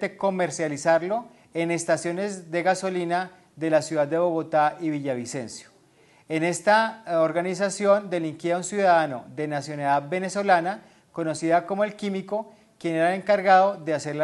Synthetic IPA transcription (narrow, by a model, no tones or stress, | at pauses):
t̪e̞ko̞me̞ɾsjalisaɾlo̞ | e̞ne̞st̪asjo̞ne̞zd̪e̞ɣaso̞lina | ðe̞lasjuðad̪d̪e̞βo̞ɣo̞t̪aiβiʝaβise̞nsjo̥ | e̞ne̞st̪aoɾɣanis̬asjo̞nd̪e̞liŋkjeaunsjuðaðano̞̰ðe̞nasjo̞naðaðbe̞ne̞so̞lana | ko̞no̞siðako̞moe̞lkimiko̞ | kje̞ne̞ɾaeleŋkaɾɣaðo̞ðe̞ase̞ɾla